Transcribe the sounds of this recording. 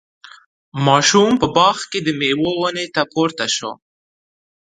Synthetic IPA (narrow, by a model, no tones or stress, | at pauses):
mɑʃumpəbɑxked̪əmewowənet̪apoɾt̪aʃo̰